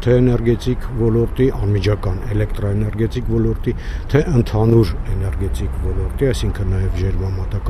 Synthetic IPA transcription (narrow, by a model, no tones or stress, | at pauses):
t̪ʰɛːnɛɾɡɛt̪ikvɔlɔɾt̪iʔɑnmid͡ʒʰɑkɑnɛlɛkt̪ɾɔɛnɛɾɡɛt̪ikvɔlɔɾt̪it̪ʰɛʔənt̪ʰɑnuɾɛnɛɾɡɛt̪ikvɔlɔɾt̪iɑjsiŋkʰənːɑjɛvʒɛɾmɑmɑt̪ɑk